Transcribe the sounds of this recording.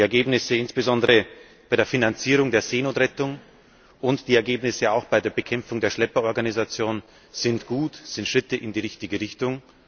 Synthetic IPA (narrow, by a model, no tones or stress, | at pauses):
ɛɐɡeːbnɪsəɪnsb̥əzɔndəʁə | b̥aɪɾeːɐfinant͡siːʁ̞ʊŋdeːɐzeːnoːtʁɛtʊŋ | ʔʊntd̥iːɛɐɡeːbnɪsəaʊxb̥aɪdeːɐbəkʰɛmp͡fʊŋdeːɐʃlɛpɐɔɐɡanizat͡sjoːn | z̥ɪntɡ̥uːtz̥ɪntʃʁ̥ɪtəʔɪndiːʁɪçtɪɡəʁɪçtʊŋ